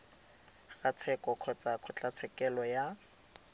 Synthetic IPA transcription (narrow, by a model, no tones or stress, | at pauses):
rat͡sʰɛkʼɔkʰɔt͡sʼakʰʊt͡ɬat͡sʰɛkʼɛlɔja